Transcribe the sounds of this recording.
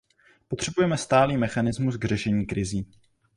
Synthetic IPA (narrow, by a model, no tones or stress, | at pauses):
pot̪r̥ɛbujɛmɛst̪aːliːmɛxanɪzmusɡr̝ɛʃɛɲiːkɾɪziː